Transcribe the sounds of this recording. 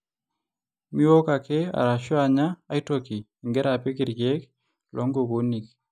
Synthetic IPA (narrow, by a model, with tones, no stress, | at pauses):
mi˦wɔ˦ka˨ke˦a̰˨ɾa˨ʃɔ˦a˨ɲaː˦i˦toki˨ŋɡɛ˦ɾa˨pe˦kɪ˨ɾɡe˦k | lʔɔ˦ŋɡo˨ko˦ni˨k